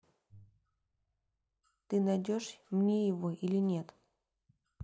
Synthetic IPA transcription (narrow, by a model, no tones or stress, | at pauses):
t̪ɨnɐjdʲoʂmnʲejɪvoʔilʲɪnʲe̞t̪